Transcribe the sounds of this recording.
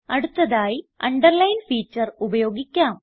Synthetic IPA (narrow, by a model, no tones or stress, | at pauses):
ɐɽut̪ːɐðaːjiɐɳɖɐrlɐjnfiːt͡ɕːɐrubɐjo̞ːɡikʲːaːm